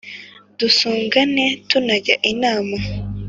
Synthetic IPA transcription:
d̥usuːŋɡane̞tunaɟaʔinaːma

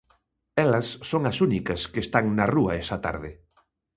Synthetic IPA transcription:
ɛlɐsːoŋɐsunikɐskeːst̪aŋnɐruɐɛsɐt̪a̰ɾðɪ

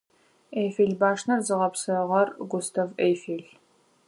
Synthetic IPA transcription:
ejfeɮbaːʂnɐrzɨʁɐpsɨʁɐrɡʷʊstʰɐveːjfeːɮ

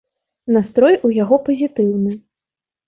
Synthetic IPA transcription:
nast̪ɾɔjujaɣɔpɐzʲit̪ɨwnɨ

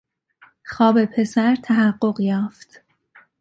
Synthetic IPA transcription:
xɒːbe̞pʰe̞sæɾt̪ʰæɦæɢːo̞ɢjɒːft̪

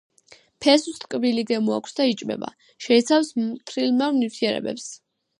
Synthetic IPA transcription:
pʰɛsust̪ʼkʼbiliɡɛmua̰kʷʰsd̪ait͡ʃʼmɛ̰ba̰ | ʃɛit̪sʰafst̪ʰɾilˠmɛvmnift̪ʰiɛɾɛ̰bɛ̰ps

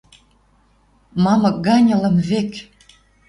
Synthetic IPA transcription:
mɑmə̆k̚ɡɑnʲə̆lə̆mβek

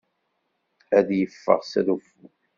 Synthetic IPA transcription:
æðjəfːə̰ʁsæðufːu

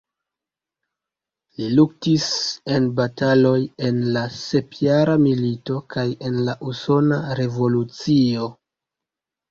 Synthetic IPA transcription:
liluk̚tise̞nbatalo̞je̞nlase̞pʰjaɾamilito̞kaje̞nlaʔuso̞naɾe̞vo̞lut͡sio̞

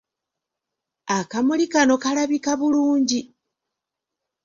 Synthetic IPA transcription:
akamulikano̞kalaβikaβuluːɲɟi

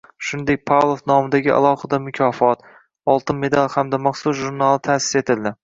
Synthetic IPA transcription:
ʃʊnd̪ek̚ʲpʰalˠofnɒmɪd̪aɡʲɪʔa̰lˠɒχɨd̪amʊkʲʰɒfɒt̪ | ɒlˠt̪ɪnme̞d̪alˠhamd̪amɑχsʊzʒʊɾnalˠɪt̪ʰasɪ̥se̞t̪ʰɪld̪ɪ

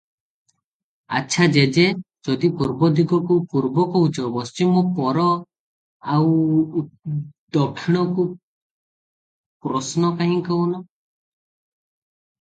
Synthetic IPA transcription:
a̰t͡ʃʰad͡ʒed͡ʒe | d͡ʒɔd̪ipuɾbɔd̪ʱiɡɔkupuɾbɔkɔut͡ʃɔbɔst͡ʃimɔpɔɾɔ | aw | d̪ɔkʰːiɽ̃ɔku | pɾɔsnɔkaɦĩkɔwnɔ

